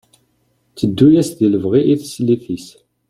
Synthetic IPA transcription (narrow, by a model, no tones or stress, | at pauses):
t͡sːəd̪ːujæsðiləvʁiʔiθəsliθis